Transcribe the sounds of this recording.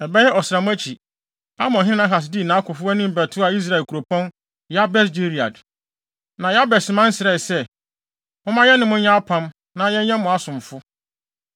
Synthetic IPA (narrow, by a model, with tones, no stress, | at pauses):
ɛ˨bɛ˦jɛ˦ʔɔ˨sɪ˨ɾa˨mʊ̃˦æ˦t͡ɕʰi˨ | a˦mɔ̃˨ɦɪ̃˦ɪ̃˦nã˦ɦa˨s̬di˦˨nã˨˦kʰʊ˨fʊ˦æ˦nɪ̃˦m̩˨bɛ˨tʰʊ˦a˨i˦s̬ɾa˦˨lkʰu˨ɾo˨pʰɔ̃˦n | jɛ˦a˦bɛ˦sd͡ʑi˦ɾi˨a̰˨d | nã˨ja˦bɛ˨sɪ˨mã˦n̩˦sɪ˨ɛ˦˨sɛ˦ | mʊ̃˦mã˦jɛ˦nɪ̃˨mʊ̃˦ɲã˦pʰã˦m | nã˦jɛ̃˦ɲ˦ɛ̃˦mʊ̃˨a˦sʊ̃˨m˨fʊ˦